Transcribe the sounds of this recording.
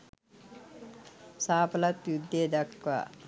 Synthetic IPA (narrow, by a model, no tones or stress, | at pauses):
saːpɐlɐt̪jud̪ːed̪ɐkʋa̰